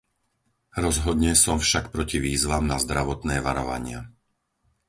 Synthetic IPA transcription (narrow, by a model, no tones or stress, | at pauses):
ɾɔzɦɔd̪ɲɛsɔmfʃakpɾɔciʋiːzʋamnazd̪ɾaʋɔt̪nɛːʋaɾɔʋa̰ɲɪa